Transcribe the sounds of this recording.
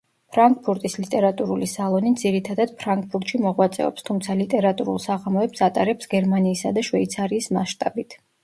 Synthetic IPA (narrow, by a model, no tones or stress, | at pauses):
pʰɾaŋk̚ʼpʰuɾt̪ʼislit̪ʼɛɾat̪ʼuɾulisalˠɔnid̪ziɾit̪ʰad̪ad̪̥̚pʰɾaŋk̚ʼpʰuɾt̪ʼʃimɔʁwat̪sʼɛ̰ɔ̰pst̪ʰumt̪sʰalit̪ʼɛɾat̪ʼuɾṵlˠsaʁamɔɛpsat̪ʼaɾɛpsɡɛɾmaniːsad̪aʃvɛit̪sʰaɾiːsma̰ʃt̪ʼabit̪ʰ